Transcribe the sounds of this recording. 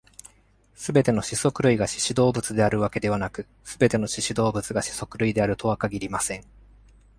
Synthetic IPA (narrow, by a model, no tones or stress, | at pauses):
sɨbe̞t̪e̞no̞ɕiso̞kɯ̟ɾɯ̟iɡaɕi̥ɕid̪o̞ːbɯ̟t͡sɨd̪e̞aɾɯ̟βake̞d̪e̞β̞anakɯ̟ | sɨbe̞t̪e̞no̞ɕiɕid̪o̞ːbɯ̟t͡sɨɡaɕi̥so̞kɯ̟ɾɯ̟id̪e̞aɾɯ̟t̪ʰo̞βakaɡʲiɾʲimasẽ̞ŋ